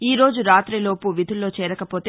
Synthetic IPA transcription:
iːɾo̞ːd͡ʒuɾaːt̪ɾilo̞ːpuʋid̪ʱulːo̞ːt͡ʃɛːɾɐkɐpo̞ːt̪

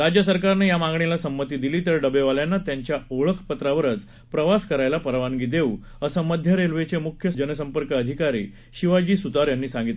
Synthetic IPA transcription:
ɾad͡ʑjəsəɾkaɾnejamãŋɡɳelasəmːət̪iːd̪iliːt̪əɾɖəbeʋaljanːat̪jaɲt͡ɕjaoɭəkʰpət̪ɾaʋəɾət͡s | pɾəʋaskəɾajlapəɾʋaŋɡiːd̪eu | əsəməd̪ʱjəɾelʋet͡semukʰjəd͡ʑənəsəmpəɾkəːd̪ʱikaɾḭː | ɕiʋad͡ʑiːsud̪aɾjanːiːsãŋɡit̪l

